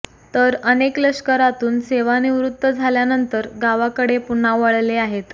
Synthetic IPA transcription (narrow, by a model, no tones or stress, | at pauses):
t̪əɾənekləskəɾat̪uːnseʋaniʋɾut̪ːəd͡zʱaljanənt̪əɾɡaʋakəɽepunaʋəɭleaɦet̪